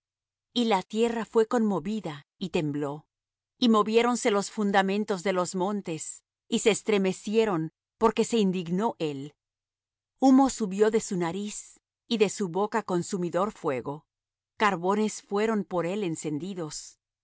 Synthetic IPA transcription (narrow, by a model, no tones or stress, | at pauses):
ilat̪je̞rafwe̞ko̞nmo̞βiða | it̪e̞mblo̞ | imo̞βjeɾo̞nse̞lo̞sfund̪amẽ̞nt̪o̞zðe̞lo̞zmõ̞nt̪e̞s | ise̞ːst̪ɾe̞me̞sje̞ɾo̞n | po̞ɾke̞se̞ind̪iɣno̞ʔe̞l | umo̞suβjo̞ðe̞sunaɾis | iðe̞suβo̞kako̞nsumiðo̞ɾfwe̞ɣo̞ | kaɾβo̞ne̞sfwe̞ɾo̞mpo̞ɾe̞lense̞nd̪iðo̞s